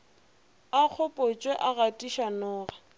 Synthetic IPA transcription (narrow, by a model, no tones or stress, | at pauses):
ak͡xʰʊpʼot͡ʃʼweʔaɣatʼiʃanɔːɣa